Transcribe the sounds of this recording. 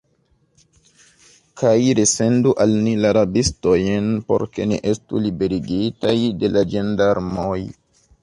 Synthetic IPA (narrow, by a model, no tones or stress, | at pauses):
kʰajɾese̞nduʔalnilaɾabisto̞jnpo̞̰ɾke̞niʔe̞stulibe̞ɾiɡitajde̞lad͡ʒendaɾmoj